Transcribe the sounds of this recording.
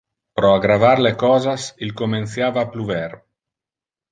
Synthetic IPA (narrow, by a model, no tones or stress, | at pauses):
pɾoaɡɾavaɾlekɔːzasilkomenθjaːvaːpluvɛɾ